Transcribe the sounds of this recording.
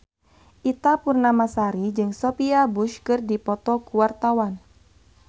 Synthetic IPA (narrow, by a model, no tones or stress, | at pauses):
ʔit̪apurnamasaɾid͡ʒɨŋsɔpiabuʃkɨrdipɔt̪ɔkuwart̪awan